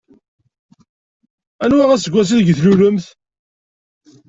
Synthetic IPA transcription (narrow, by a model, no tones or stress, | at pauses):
ænwaʁæsəɡʷæs̬iðɡθluɾʊmθ